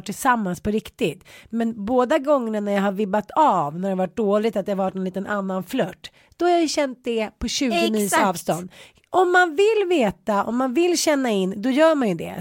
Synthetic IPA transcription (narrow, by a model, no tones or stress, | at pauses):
ʈʰːɪlsamːanspʰɔɾɪkt̪ɪt̪mɛnboːd̪aɡɔŋːəɳanæɾjaɦaɾvɪbːat̪ʰavnæɾɛavaʈ̚ɖ̪oːlɪt̪at̪̚d̪ɛhaɾvaʈnɛnliːt̪ənʔanːanflœʈː | d̪̥ɔhaɾjajɵɕɛnt̪̚d̪ɛpʰɔɕʉ̟ːɡʊniːsɑːvst̪ɔnd̪ | ʔɔmːanvɪlveːt̪aɔ̰mːanvɪlːɕɛnːaɪnːd̪ɔjœːɾmanjɵd̪ɛ̰